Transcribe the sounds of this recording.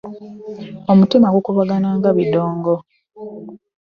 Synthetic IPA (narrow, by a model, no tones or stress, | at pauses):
omutimaɡokuβaɡanaːŋɡaβidoːŋɡo